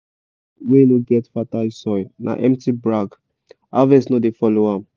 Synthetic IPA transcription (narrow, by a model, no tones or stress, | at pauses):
wenoɡɛtfatalsɔɪnʔa̰ʔɛ̃mtibɹaɡ | avɛsnodefɔloãm